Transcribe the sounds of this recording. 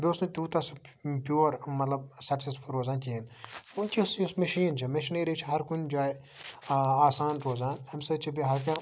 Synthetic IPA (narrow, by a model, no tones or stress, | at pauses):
bʲiosnut̪uːt̪ɐspʲjoːɾmɐt̪lɐbsɐksespʰɐɾoːzaːntʲinunʲt͡ʃʲʰisusmɐʃiːnt͡ʃʰimɐʃineɾit͡ʃʰiɦɐɾkunʲd͡ʒaːj | aːsaːnɾoːzaːnɐmʲsɐt͡ʃʰibʲiɦɐɾkã